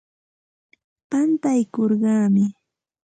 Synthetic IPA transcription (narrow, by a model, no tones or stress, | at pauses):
pant̪ajkoɾɢɑːmɪ